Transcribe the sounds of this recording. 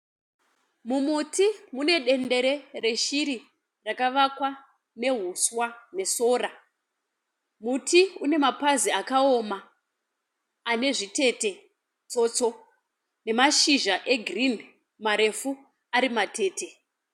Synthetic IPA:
mumutimune̞ɗe̞nde̞ɾe̞re̞ʃiɾi | rakaʋakwa | ne̞ɦuswane̞so̞ːra | mutʰiune̞mapaziakao̞ma | ne̞ʐite̞te̞ | t͡so̞t͡so̞ | ne̞maʃiʒaʔe̞ɡʱrin | maɾe̞fu | aɾimate̞ːte̞

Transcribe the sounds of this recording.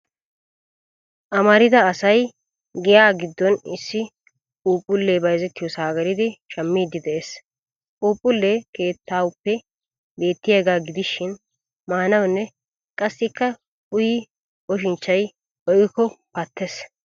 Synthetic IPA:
ʔɐmɐɾɪd̪ɐːsɐj | ɡɪjaːɡɪd̪ːɔnɪsːɪ | uːpʼːʊlːeːbɐjzɛt̪ːɪjɔsaːɡɐɾɪd̪ɪʃɐmːiːd̪ːɪd̪ɛʔeːsʼ | uːpʼːʊlːeːke̞ːt̪ʰːaːwʊpːɛ | be̞ːt̪ːɪjɐːɡaːɡɪd̪ɪʃːɪn | maːnɐwnːɛ | kʼɐsːɪkːɐ | ʊjɪ | ɔʃɪnt͡ʃːɐj | ɔʔɪkːɔpɐt̪ːes

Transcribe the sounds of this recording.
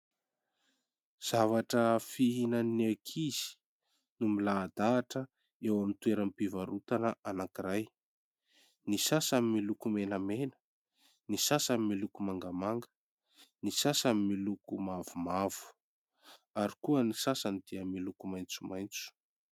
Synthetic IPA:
z̥avaʈ͡ʂəfiɦinanekʰiz̥i̥ | numilaːd̪aːʈ͡ʂə | ewamint̪ueɾampivaɾut̪anəʔanakiɾaj | nisasamimilukumenəmenə̥ | nisasamimilukumaŋɡamaŋɡə̥ | nisasamimilukumavumav̥u̥ | aɾikuənisasanid̪iəmilukumajnt͡sumajnt͡su̥

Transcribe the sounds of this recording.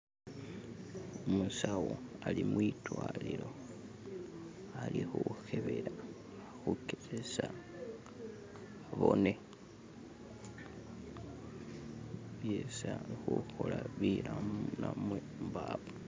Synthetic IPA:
omusawoalimwitwalilo̞ | alixuxe̞βe̞ɾa | xukeɾesa | βo̞ne | βjesaxuxolaβilamnamwe | mbaːβo

